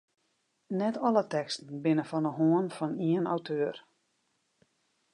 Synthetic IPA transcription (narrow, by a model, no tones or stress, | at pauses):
nɛtʰɔlətɛkstən̩bɪnəfɔnəɦoənfɔniəna̰wtʰøːər